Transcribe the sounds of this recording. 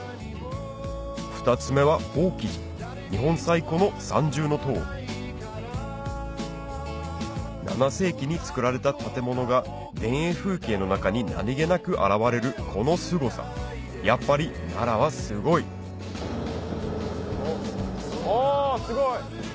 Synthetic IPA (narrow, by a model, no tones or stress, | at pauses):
ɸɯ̥t̪at͡sɨme̞βao̞ːkʲi | ɲiɦõ̞ɰ̃saiko̞no̞sã̰ɲ̟d͡ʑɨːno̞t̪o̞ːɾʲi | na̰nase̞ːkʲiɲ̟it͡sɨ̥kɯ̟ɾaɾe̞t̪at̪at̪e̞mo̞no̞ɡa | d̪ẽ̞ɰ̃e̞ːɸɯ̟ːke̞ːno̞nakaɲ̟ina̰ɾʲiɡe̞nakɯ̟ʔa̰ɾaβaɾe̞ɾɯ̟kʰo̞no̞sɨɡo̞sa̰ | japːaɾʲina̰ɾaβ̞asɨɡo̞i | sɨɡoi